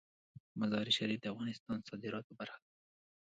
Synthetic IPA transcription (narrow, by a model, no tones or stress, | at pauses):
mazɑɾiʃaɾifd̪əafɣɑnɪst̪ɑnsɑd̪ɪɾɑt̪̚pobaɾxḁd̪a